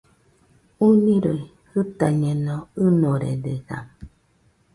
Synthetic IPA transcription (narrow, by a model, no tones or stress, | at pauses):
uniɾoi | hɨt̪aɲenõɨnoɾḛdeɡa̰m